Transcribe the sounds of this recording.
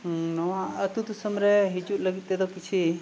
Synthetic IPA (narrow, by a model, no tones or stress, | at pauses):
noaət̪ut̪usəmɾeɦid͡ʒuʔləɡit̪̚ːed̪okit͡ʃʰi